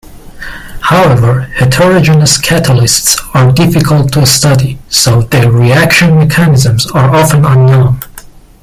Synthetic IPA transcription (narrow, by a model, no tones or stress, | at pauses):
haʊɛvə˞hɪtʰəɹɔd͡ʒənəskʰæɾəlˠɪstsəɹdɪfɨkʰəlˠtʰustʌdisoʊðəɹiækʃɨ̃nmɛkʰænɪzə̃mzə˞ʔɑfə̃nə̃nːõʊ̃n